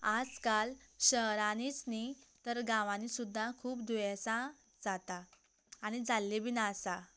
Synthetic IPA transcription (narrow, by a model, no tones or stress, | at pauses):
ad͡zkalɕəɦɾaniːt͡snit̪əɾɡãʋãnisud̪ʱːakʰuːpd̪ʱujasa | d͡zat̪aː | ɽ̃id͡zalːebinasa